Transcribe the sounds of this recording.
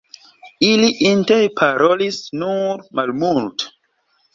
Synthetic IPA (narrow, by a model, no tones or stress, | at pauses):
iliʔintejpʰaɾʔolisnuɾmalmult